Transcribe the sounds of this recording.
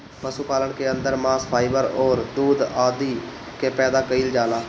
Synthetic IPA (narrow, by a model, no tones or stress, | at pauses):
pəsuːpaːləɳkeːənd̪əɾmaːspʰaːɪbəɾɔːɾd̪uːd̪aːd̪iː | keːpɛːd̪aːkəild͡ʒaːlaː